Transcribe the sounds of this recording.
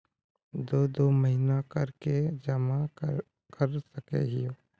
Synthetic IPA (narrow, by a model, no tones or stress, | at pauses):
d̪oːd̪oːməɦɪnakɐɾked͡ʒɐma | kəɾsəkḛɦɪjoː